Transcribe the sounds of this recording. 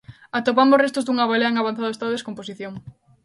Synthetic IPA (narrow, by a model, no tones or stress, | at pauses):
at̪op̬ambosrest̪ozd̪uŋaβaleɐeŋaβanθaðoest̪aððeskomposiθjoŋ